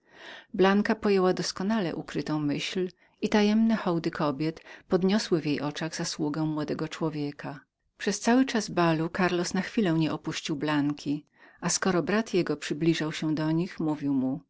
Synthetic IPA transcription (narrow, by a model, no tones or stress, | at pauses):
blaŋkapɔjɛwad̪ɔskɔnalɛ̰ʔukɾɘt̪ɔ̃w̃mɘɕl | it̪ajɛmnɛxɔwd̪ɘkʰɔbʲjɛt̪pɔd̪ɲɔswɘvʲjejʔɔt͡ʂaɣz̥aswuɡɛmwɔd̪ɛɡɔt͡ʂwɔvʲjɛkʰa | pʂɛst̪sawɘt͡ʂazbalukaɾlɔsnaxfʲilɛwɲɛʔɔpuɕt͡ɕiwblaŋkʲʰi | askɔɾɔbɾat̪jɛɡɔpʂɘblʲiʐawɕɛd̪ɔɲixmuvʲiwmu